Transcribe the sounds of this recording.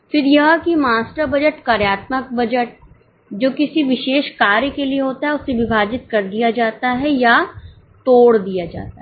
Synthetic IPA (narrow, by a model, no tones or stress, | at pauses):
fɪɾjɐɦãkimaːsʈəɾbɐd͡ʒəʈkaːɾjaːt̪mək̚bɐd͡ʒəʈ̚ | d͡ʒoːkɪsiʋɪʃeːʃkaːɾjəkelieɦoːt̪aɦɛʊsːeʋɪbʱaːd͡ʒɪt̪̚kɐɾd̪ijad͡ʒaːt̪aɦɛja | t̪oːɽd̪ijad͡ʒa̰ːt̪aɦ